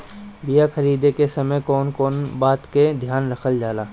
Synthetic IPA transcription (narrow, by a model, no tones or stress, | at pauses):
bɪjaxɐɾiːd̪ekesɐməjkɔːnkɔːnbaːt̪ked̪ʱjaːnɾɐkʰəld͡ʒaːlaː